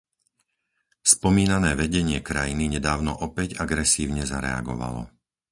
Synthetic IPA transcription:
spɔmiːnanɛːʋɛɟɛɲɪɛkɾajiniɲɛd̪aːʊnɔʔɔpɛɟaɡɾɛsiːʊɲɛzaɾɛ̰a̰ɡɔ̰ʋa̰lɔ̰

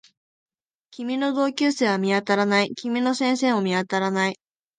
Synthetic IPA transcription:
kʲimʲino̞d̪o̞ːkʲɨːseːβ̞amʲiat̪aɾanaikʲimʲino̞sẽɰ̃se̞ːmo̞mʲiat̪aɾanai

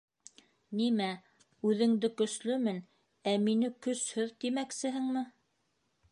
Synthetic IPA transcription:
nimæ | ʉðɘ̆ŋd̪ɘkɵ̆slɵmɘn | æminɘkɵ̆shɵðt̪imæksɘ̆ɦɘŋmɘ

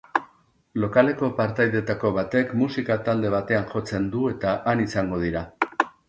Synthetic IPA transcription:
lo̞kale̞ko̞paɾt̪ajðe̞t̪ako̞βat̪e̞kmusikat̪ald̪e̞β̞at̪e̞anʝo̞t͡se̞nd̪ue̞t̪aʔanisaŋɡo̞ð̞iɾa

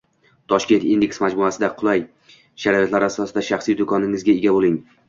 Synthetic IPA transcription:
t̪ʰɒʃkʲe̞nt̪ind̪e̞kʲsmad͡ʒmʊasɪd̪aqʰʊlˠaj | ʃaɾɒjot̪laɾasɒsɪd̪aʃaχsijd̪ʊkʰɒnɪŋɪzɡʲaeɡʲabolɪŋ

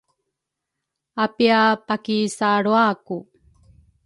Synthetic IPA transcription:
apiapakisaɾuaku

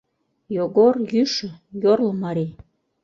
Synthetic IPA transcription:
joɡorjyʃə̆jorləmɑɾi

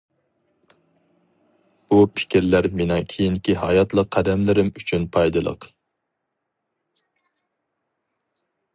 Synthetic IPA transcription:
b̥upʰɪ̥kʲiɾlæɾmɪnɛŋkʲʰejiŋkʲiɦɑjɑt̪lˠəqʰːæd̪ɛmlɪɾɪmyt͡ʃʰynpʰɑjd̪ɨlˠə̰q

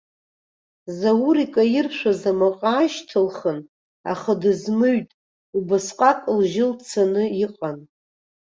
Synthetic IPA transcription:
zawuɾikʼajɪrʃʷᶣazamaqʼaːʃtʰɨlχən | a̰χadɨzmɨɥtʼ | ubasqʼakʼlʒɪlt͡sʰanɨiqʼan

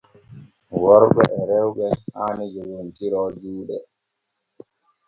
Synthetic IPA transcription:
wɔɾbɛ̰ʔɛɾɛwbɛhaːnid͡ʒowintiɾɔd͡ʒuːɗɛ

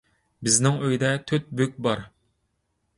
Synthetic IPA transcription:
bɪznɪŋøjd̪ɛt̪ʰøt̪̚bøk̚ʲbɑɾ

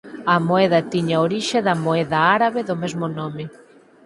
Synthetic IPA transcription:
ɐmoeðɐt̪iɲaoɾiʃeðɐmoeðɐaɾaβeðʊmezmʊnomɪ

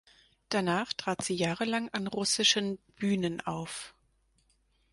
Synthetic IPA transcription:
d̥anaːχtʁ̥aːtz̥iːjaːʁəlaŋanʁʊsɪʃənb̥yːnənʔaʊf

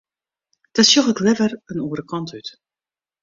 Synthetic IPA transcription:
d̥ɔtsjoxəklɛvərənuːəɾəkʰɑntyt

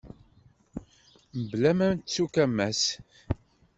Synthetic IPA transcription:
məblæmænt̪t͡sːukæmːæs

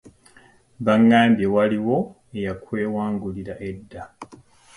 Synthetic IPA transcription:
βaŋːaːmbjewaliwo̞ | ejakwe̞ːwaːŋɡuliɾaʔe̞dːa

